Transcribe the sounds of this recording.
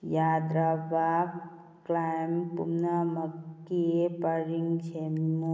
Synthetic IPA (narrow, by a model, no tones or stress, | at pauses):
jad̪ɾabab | klajmpṵmnaməkːipəɾiŋt͡ʃʰemu